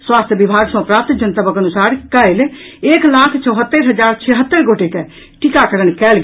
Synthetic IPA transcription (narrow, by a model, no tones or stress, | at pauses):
swaːst̪ʰjəbibʱaːɡsɔ̃pɾaːpt̪d͡ʒənt̪abəkənusaːɾkəɪl | eːklakʰt͡ʃəʊɦət̪ːəɾɦəd͡ʒaːɾt͡ʃʰɛɦət̪ːəɾɡoʈeke | ʈikakəɾənkɛːlɡ